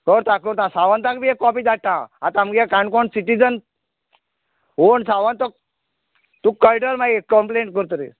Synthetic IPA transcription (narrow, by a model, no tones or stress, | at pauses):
kəɾt̪ãkəɾt̪ãsaʋənt̪ãkbiekːɔpid͡zaʈʈːãat̪ãmɡɛkãɳkɔɳsiʈid͡zən | ɦoɳsaʋant̪ɔ | t̪ukːəjɖəɾmaɡekːəmpleɳʈ̚kəɾt̪ɾḭs